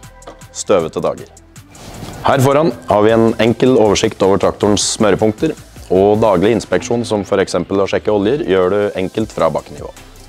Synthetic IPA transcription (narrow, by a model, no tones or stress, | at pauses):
st̪øːʋət̪əd̪ɑ̰ːɡə̰ɾ | hæːɾfɔɾɑnhɑːɾʋɪɛnɛŋkəloːʋəʂɪkt̪oːʋəʈʰɾɑkt̪ʊɳsːmœɾəpʊŋk̚t̪əɾɔd̪ɑːɡlɪəɪnspɛkʂuːnsɔmfɔɾɛksɛmpəlɔʂɛkːəɔljəɾjøːɖʉɛŋkəlt̪fɾɑ̰ːbɑ̰kːnɪ̰ʋo̰ː